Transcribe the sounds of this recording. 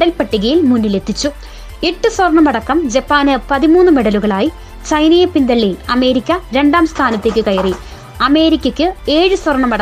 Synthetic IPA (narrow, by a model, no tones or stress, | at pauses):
ɽɐlpɐʈːiɣɐjilmunːile̞t̪ʰːit͡ɕːu | eʈːɨswɐrɳɐmɐɽɐkːɐmd͡ʑepːaːnɨpɐðimuːnːɨme̞ɽɐluɣɐɭaːji | t͡ɕɐjnɐjɐpːind̪ɐɭːiɐme̞ːɾikʲːɐɾe̞ɳɖaːmst̪ʰaːnɐt̪ːekʲːɨkɐjɐri | ɐme̞ːɾikʲːɐkʲːɨe̞ːɻɨswɐrɳːɐmɐɽɐ